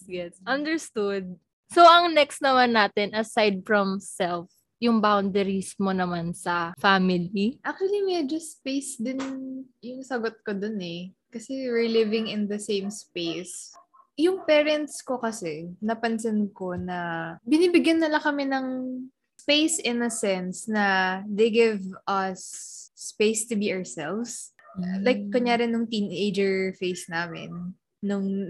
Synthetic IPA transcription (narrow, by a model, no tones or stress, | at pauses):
jɛsʔɐnd̪ɛɹst̪ud̪̚ | soʔɐŋnɛkst̪nɐmanːaːt̪ɛnʔɐsajd̪̚fɹɐmsɛlf | jʊŋbawnd̪ɛɾismonɐmansɐfamɪliʔak̚t͡ʃʊwɐlimɛd͡ʒospejsd̪ɪn | jʊŋsɐɡot̪̚kod̪onɛkɐsɛwɪɹlɪvɪ̃ŋɪnd̪ɐsẽjmspejs | jʊŋpɛːɾɛnt̪sko̞kɐsɛnɐpɐns̬ɪnkonɐbɪniːbɪɡjɐnːɐlɐkɐmɛnɐŋ | spejsɪnɐsɛnsnɐd̪ejɡɪvʔɐsːpejst̪ʊbiʔaɹsɛlvs | lajk̚ːɐɲaːɾɪnjʊŋt̪iːnejd͡ʒɛɹfejsnaːmɪ̰nː | ʊŋ